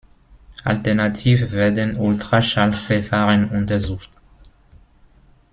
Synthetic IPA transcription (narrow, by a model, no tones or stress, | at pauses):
ʔa̰ltɛɐnatʰiːvəvɛɐdənʔʊltʁ̥aʃalffɛɐfaːʁənʊntɐzuːχt